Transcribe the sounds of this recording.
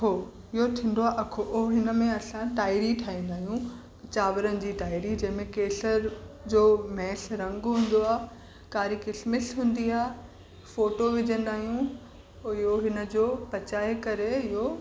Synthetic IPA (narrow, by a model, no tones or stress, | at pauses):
kʰo | ɪɦot̪ʰĩːn̆d̪oaːʔɐkʰoʔoɦɦɪnə̆mẽɐsãʈaːɪɾiʈʰaːĩnd̪aːɦijũ | t͡ɕaːʋəɾənɪ̆d͡ʑiːʈaːɪɾid͡ʑɐ̃ɦɪ̃mẽkeːsəɾd͡ʑoːmɛːɬɾɐ̃ŋɡɦũːn̆d̪oaː | kaːɾikɪsmɪsɦũːn̆d̪iaːɦe | foːʈoʋɪd͡ʑə̃nd̪aːɦijũ | ɪɦoɦɪnə̆d͡ʑoːpɐt͡ɕaːɦekɐɾeɪɦo